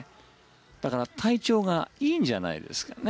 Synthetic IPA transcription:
d̪̥akaɾat̪ʰait͡ɕo̞ːɡaiːɲd͡ʑana̰ḭd̪e̞̰sɨ̥kane

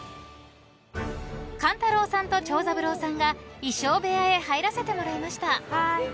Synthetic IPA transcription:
kãnt̪aɾo̞ːsãnt̪o̞t͡ɕo̞ːzabɯ̟ɾo̞ːsãŋɡaiɕo̞ːbe̞ae̞haiɾase̞t̪e̞mo̞ɾaimaɕi̥t̪a

